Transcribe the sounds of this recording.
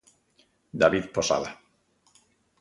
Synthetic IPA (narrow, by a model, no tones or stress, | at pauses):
d̪aβiðposa̰ða